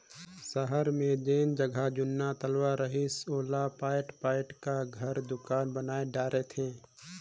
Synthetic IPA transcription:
səɦəɾmẽd͡ʒeːnd͡ʒəɡʱad͡ʒʊnːat̪əlwaɾəɦɪsoːlapaːɪʈpaːɪʈkaɡʱəɾd̪ʊkaːnbənaːeɖaːɾʔet̪ʰẽː

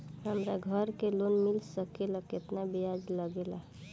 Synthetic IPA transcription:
ɦəmɾaɡʱəɾkelonmilsəkelaket̪nabiad͡ʒləɡela

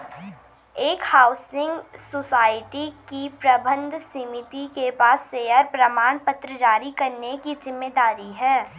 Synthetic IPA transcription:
eːkhaːʊsɪ̃ŋɡsosaːɪʈikipɾɐbə̃nd̪ʱsimɪt̪ikepaːsːejəɾpɾɐmaːɳpət̪ɾəd͡ʒaːɾikɐɾnekid͡ʒɪmːeːd̪aːɾiɦɛː

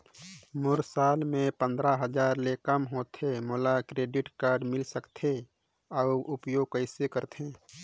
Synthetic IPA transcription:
mʊɾsaːlmẽpə̃nd̪ɾaɦəd͡ʒaːɾlekəmɦoːt̪ʰemoːlakɾeːɖɪʈkaːɾɖmɪlsəkt̪ʰe | ɔːʊpjoːɡ̚kəɪsekəɾt̪ʰẽː

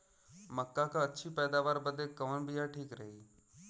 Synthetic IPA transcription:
məkːakãɐtːʃʰipɛːd̪aːʋaːɾbəd̪ekːəʋənbijaʈʰiːkɾɐɦiː

